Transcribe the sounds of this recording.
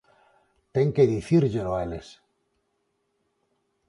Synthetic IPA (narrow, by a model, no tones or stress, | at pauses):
t̪e̞ŋke̞ðiθiɾʝeloaeles